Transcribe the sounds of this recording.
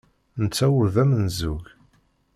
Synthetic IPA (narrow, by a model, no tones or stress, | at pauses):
nət͡sːæwʊɾðæmənzuʝ